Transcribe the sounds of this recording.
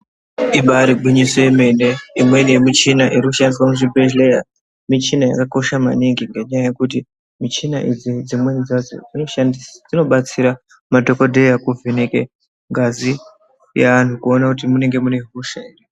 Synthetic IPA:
iɓaɾiɡʱwiɲisojeme̞ne̞imwe̞nijemit͡ʃinaʔiɾikuʃandiswamuʐibʱeʒleja̰ | mit͡ʃinaja̰kako̞ʃama̰niŋɡiŋɡe̞ɲajaje̞kut̬i | mit͡ʃinaʔid͡zid͡zimwenid͡zad͡zo̰d͡zino̞ʃandisad͡zino̞ɓat͡siɾa | madʱo̞ko̞dʱejakuvʱeneke | ŋɡazi | jaʋan̤ukuo̞nakut̬imune̞ŋɡe̞mune̞ɦuʃaere

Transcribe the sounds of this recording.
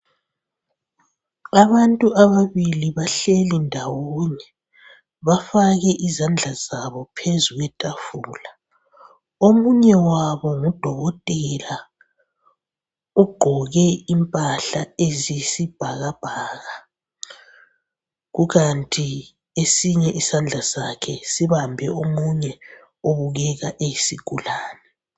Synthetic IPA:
aβantʼuaβaβiliβaɬɛlindʱawooːnɛ | βafaɣɛʔizand͡ɮʱazaβɔpʰezuɣwɛtʼafuːla | omuɲɛwaβɔŋud̥ʱɔɣɔtʼɛla | ɔɡ͡ǃ̥ʱɔɣɛimpʼaɬaezisib̥ʱaɣab̥ʱaːɣa | ɣuɣantʼi | esiɲɛʔisand͡ɮʱasakʰɛsiβambʱɛomuɲɛ | oβuɣɛɣaʔejisiɡ̥ʱulaːnɛ

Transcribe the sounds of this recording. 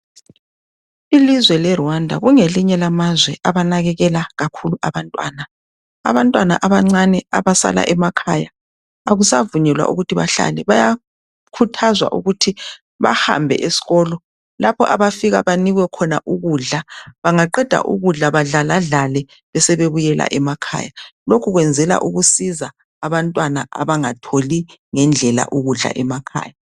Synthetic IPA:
ilizwɛlɛruandʱa̰ɣuŋeliɲɛlamazwɛʔaβanaɣɛɣɛlaɣakʰuluʔaβantʼwa̰ːna | a̰βantʼwana̰ʔaβaŋ͡ǀanɛaβasa̰la̰ʔɛmakʰajaː | ɣusavuɲɛlwa̰ʔṵɣutʰiβa̰ɬa̰lɛβaja | kʰutʰazwa̰ʔṵɣutʰi | βa̰ha̰mbʱɛ̰ʔesi̥ɣɔlɔ | lapʰɔʔaβafiɣa̰βaniɣwɛkʰɔnaʔuɣuɮaβaŋaǃɛd̥ʱa̰ʔṵɣuɮaβaɮalaɮalɛ | βɛsɛβeβujɛla̰ʔɛmakʰa̰ːjalokʰuɣwɛnd͡zʱɛla̰ʔuɣusizaː | βantʼwanaʔa̰βaŋatʰoliŋɛnd͡ɮʱɛla̰ʔuɣuɮa̰ʔɛmakʰa̰ːja

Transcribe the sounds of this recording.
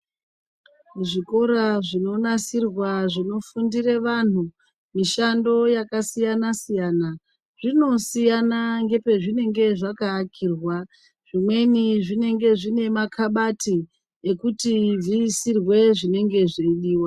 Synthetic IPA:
ʐiko̞ɾaʐino̞nasirwaʐino̞fundireʋan̤u | miʃando̞jakasijanasijaːna | ʐ̥ino̞sijanaŋɡe̞pe̞ʐine̞ŋɡe̞ʐakaːkʰiːrwa | ʐ̥imwe̞niʐine̞ŋɡe̞ʐine̞makʰaɓatʰi | ekutivisirwe̞ʐine̞ŋɡe̞ʐeiɗiːwa

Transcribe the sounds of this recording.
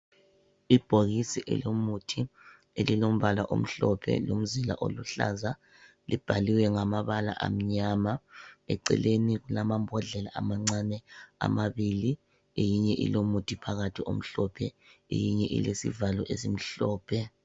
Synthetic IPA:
ib̥ʱoɣisiʔɛ̰lomutʰi | elilom̩βalaʔom̩ɬɔpʰɛ̰lom̩zila̰ʔoluɬa̰za | lib̥ʱaliwɛŋamaβala̰ʔa̰m̩ɲamaɛǀɛ̰leniɣulamambʱɔɮɛlaʔamaŋ͡ǀanɛa̰maβili | ejiɲɛʔḭlomutʰipʰaɣatʰiom̩ɬɔpʰɛ | ḛjiɲɛʔḭlesḭvalɔʔesim̩ɬɔːpʰɛ

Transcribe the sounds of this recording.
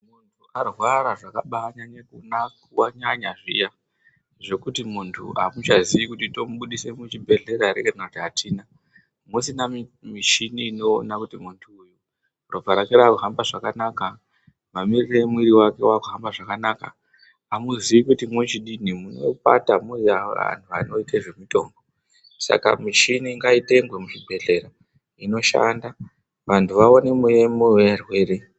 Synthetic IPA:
muntʰuarwaɾaʐakaɓaɲaɲakunakwaɲaɲaʐḭja | ʐo̞kutimuntʰṵamut͡ʃaziʋikutito̞muɓuɗise̞mut͡ʃibʱe̞ɮe̞ɾaɾekanakutiɦatʰiːna | musinammiʃiniːno̞̰ːnakutimuntʰuːju | ropaɾakiɾaːkuɦambaʐakanaka | mamiriremwiɾiwake̞wakuɦambaʐakanakaː | muziʋikutimwet͡ʃiɗinimuno̰pa̰tamuaa̰ntʰua̰no̞iteʐe̞mito̞ːmbo̞ | sa̰ka̰mit͡ʃiniŋɡaiteŋɡwemuʐibʱe̞ɮe̞ra | ino̞ʃa̰nda | ʋantʰuʋaonemujemuwerwe̞ːɾe

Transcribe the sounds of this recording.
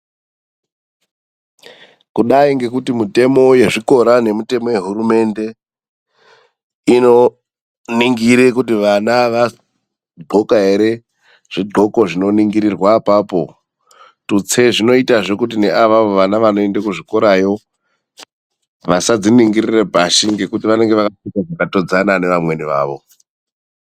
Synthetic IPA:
kuɗaiŋɡe̞kutimite̞mo̞je̞ʐiko̞ɾane̞mute̞mo̞je̞ɦuɾume̞nde̞ | ino̞ | niŋɡiɾekutiʋanaʋa | ɡ͡ǃʱo̞kaɦeɾe̞ | ʐ̥iɡ͡ǃʱo̞ko̞ʐino̞niŋɡiɾirwapapo̞ | tut͡se̞ʐino̞itaʐo̞kut̬ine̞ʔaʋaʋo̞ʋanaʋano̞endakuʐikoɾajo̞ | ʋasad͡ziniŋɡirirebʱaʃiŋɡe̞kutiʋane̞ŋɡe̞ʋakatikaʐakato̞d͡zanane̞ʋamwe̞niʋa̰ːʋo̞̰

